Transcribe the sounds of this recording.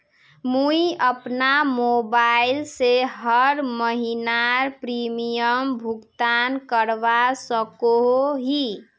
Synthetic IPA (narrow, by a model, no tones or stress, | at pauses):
muiəpnamobailseɦəɾməɦinaɾpɾimijəmbʱuɡt̪ankəɾbasəkoɦoɦi